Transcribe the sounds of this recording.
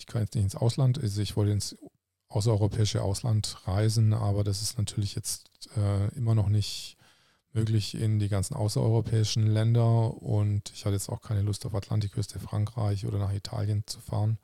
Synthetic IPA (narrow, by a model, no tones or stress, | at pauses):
ɪçkʰanjɛt͡stnɪçtɪnsʔa̰ʊslantazoɪçv̥ɔltəɪns | ʔaʊs̬ɐɔʏʁopʰɛːɪʃə̰ʔa̰ʊslantʁaɪzn̩ʔa̰ːbɐdasɪ̥stnatʰyːɐlɪçjɛt͡st | ɛːʔɪmɐnɔχnɪçt | møːklɪçɪ̰ndiːɡant͡sn̩ʔa̰ʊsɐʔɔ̰ʏʁopʰɛːɪʃn̩lɛndɐʊ̰ntɪ̥çhatəjɛt͡staʊxkʰaɪnəlʊstaʊfatʰla̰ntɪkʰːʏstəfʁ̥a̰ŋkʁ̥a̰ɪçʔo̰ːdɐnaːχitʰa̰ːljənt͡su̥fa̰ːʁən